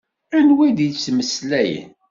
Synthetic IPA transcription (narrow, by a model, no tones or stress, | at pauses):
ænwæjd̪jt͡sːməslæjə̰n